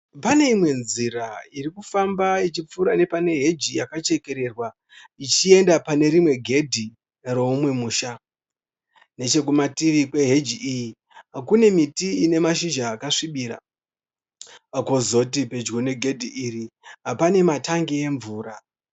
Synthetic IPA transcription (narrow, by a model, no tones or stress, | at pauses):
pane̞imwe̞nziɾairikufambait͡ʃip͡fuɾane̞pane̞ɦe̞d͡ʒijakat͡ʃe̞ke̞ɾe̞rwa | it͡ʃie̞ndapane̞ɾimwe̞ɡʱe̞dʱi | ro̞umwe̞muːʃa | ne̞t͡ʃe̞k̬umatiʋikwe̞ɦe̞d͡ʒiʔiji | ɦakune̞mitiine̞maʃiʒaːkaʂiɓiːɾa̰ | kozo̞t̬ipe̞d͡ʒɡo̞ne̞ɡʱe̞dʱiʔiriɦapane̞mataŋɡie̞ɱvuːɾa